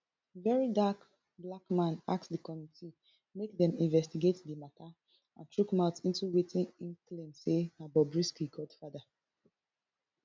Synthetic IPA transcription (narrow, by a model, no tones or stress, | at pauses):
vɛɹidak | blakmãna̰k̚sdəkɔmiti | mekdɛ̃mĩnvɛstiɡetdəmatʰa | ãntʰɹukmaʊtĩntuwetʰĩnĩnklĩnsenabɔbɹiskiɡɔd̥fada